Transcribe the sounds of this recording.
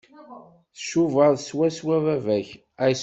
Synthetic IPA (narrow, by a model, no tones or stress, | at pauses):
θə̥ʃuvəðˤswæswævævæç | æjs